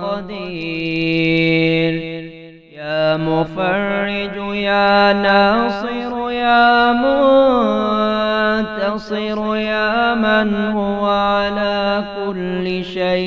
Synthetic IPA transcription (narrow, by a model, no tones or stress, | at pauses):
ɑd̪iː | l | jaːmʊfɑrːɪd͡ʒjaːnɑːsˤɨɾjaːmʊ | t̪ɑsˤɪɾjaːmanhʊwaʕalaːkʊlːɪʃaj